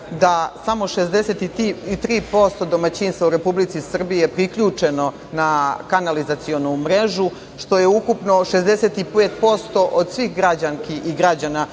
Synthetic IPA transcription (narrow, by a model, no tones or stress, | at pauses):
d̪asamo̞ʃezd̪eset̪it̪iit̪ɾiːpo̞st̪o̞d̪o̞mat͡ɕiːnst̪auɾe̞publit̪sisr̩bije̞pɾikʎuːt͡ʂeno̞ | nakanalizat̪sio̞numɾeʒu | ʃt̪o̞je̞ukupno̞ʃezd̪eset̪ipeːt̪̚po̞st̪o̞ʔod̪sʋixɡɾad͡ʑaŋkiiɡɾad͡ʑana